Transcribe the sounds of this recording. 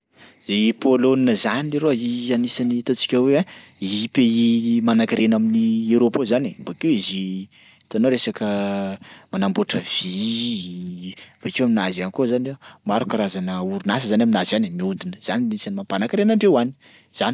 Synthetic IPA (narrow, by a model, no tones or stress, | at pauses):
z̥epoloninəzanieɾoianisanit̪ot͡si̥kʲaweapeimanakaɾenaminieɾopozanembakewizi | t̪anoɾesakə | manamboʈ͡ʂəv̥i | vekewaminazianikozanemaɾukaɾazanəuɾunas̬əzanaminazanimiud̪inəz̥aninisanimampanakaɾenəɳɖ͡ʐewani̥ | z̥ani̥